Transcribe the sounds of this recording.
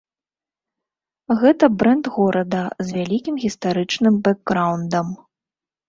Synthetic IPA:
ɣɛt̪ɐbɾɛnd̪ɣɔɾʔɐd̪ɐzvʲalʲikʲimɣʲist̪aɾɨt͡ʂnɨmbɛɡːɾawnd̪ɐm

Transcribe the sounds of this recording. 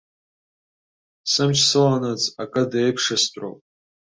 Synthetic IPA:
sɨmt͡ʃʰsɨlanad͡zakʼadaejpʰʂastʷʼo̰wpʼ

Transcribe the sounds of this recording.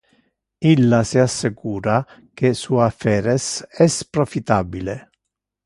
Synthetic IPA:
ilːasiasːɪkuːɾa | k̟esuːafɛːɾɛsɛspɾofit̪abile

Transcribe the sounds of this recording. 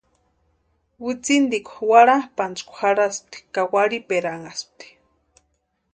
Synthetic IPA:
wit͡sind̪ikʷwaɽapant͡skʷxaɽasp̚t̪i̥kawaɽipeɾaŋasp̚t̪i̥

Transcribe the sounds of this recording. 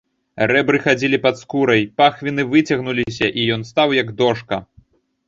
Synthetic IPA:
ɾɛbɾɨxad͡zʲilʲipɐt̪skuɾɐjpaxvʲinɨvɨt͡sʲɐɣnulʲis̬ʲɐʔijɔn̪st̪awjɐɡd̪ɔʂkɐ̰

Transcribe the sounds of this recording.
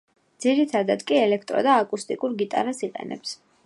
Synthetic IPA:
d̪ziɾit̪ʰad̪ad̪kʼiɛlɛkʰt̪ʼɾɔ̰d̪aːkʼust̪ʼikʼuɾɡit̪ʼa̰ɾasiqʼɛ̰nɛ̰ps

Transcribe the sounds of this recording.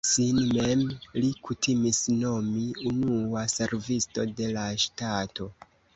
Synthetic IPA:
sinmemlikutʰimisno̞miunuase̞ɾvisto̞de̞laʃtato̞

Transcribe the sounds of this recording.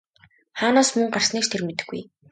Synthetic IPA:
χaːnaːsmɵŋɢar̥sniːkʃt̪ʰermet̪ɘ̆ɡːṵj

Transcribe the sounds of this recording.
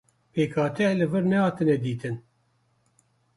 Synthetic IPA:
peːkʰɑːt̪ɛlɨvɨɾnɛhɑːt̪ɨnɛd̪iːt̪ɨn

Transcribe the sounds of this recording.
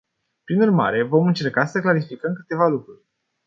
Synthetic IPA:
pɾinurma̰ɾe̞vo̞mɨnt͡ʃe̞rkasəklaɾifikəmkɨt̪e̞valukɾurʲ

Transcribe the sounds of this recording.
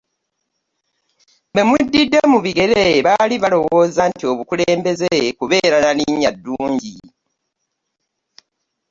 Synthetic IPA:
be̞mudːidːe̞muβiɡe̞ɾeβaliβalo̞wo̞ːzantio̞βukuleːmbe̞zekuβe̞ːɾananiɲːadːuːɲɟi

